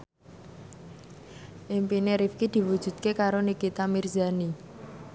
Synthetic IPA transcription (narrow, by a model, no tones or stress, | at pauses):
ʔimpineɾifkid̪̥i̤wud̥ʒ̥ṳt̪̚kekaɾonikit̪amirzani